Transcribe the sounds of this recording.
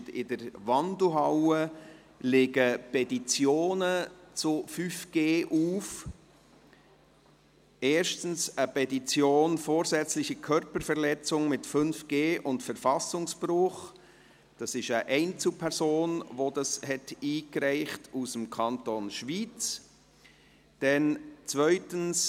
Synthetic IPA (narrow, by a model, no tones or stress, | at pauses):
dɪ̰dəɾʋɑndl̩ɦɑwə | lɪɡəpʰɛtit͡sjoːnət͡sʊfyfɡ̥eːʔuːf | eːɾʃtn̩səpɛtit͡sjoːnfoːɾzɛt͡slɪçəkʰœɾpəɾfɛɾlɛt͡sʊŋmɪtfʏnfɡ̥eːʔʊntfəɾfɑsʊŋsb̥ɾʊχ | d̥ɑsɪʃəʔɛɪnt͡sl̩pʰɛɾzoːnvodɑshɛtiːkɾɛɪχtusəmkʰɑntonʃviːt͡s | d̥ɛnt͡svœʏtəns